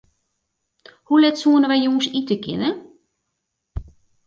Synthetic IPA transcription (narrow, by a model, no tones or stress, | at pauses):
hulɛtsuənəʋɛjjoːsitəkʰɪ̰nə